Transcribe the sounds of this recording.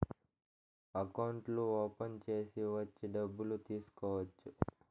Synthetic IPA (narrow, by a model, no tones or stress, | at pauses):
ɐkɐwɳʈluoːpɐnt͡ʃe̞ːsiʋɐt͡ʃːiɖɐbːulut̪iːsu̥kɔːʋɐt͡ʃːu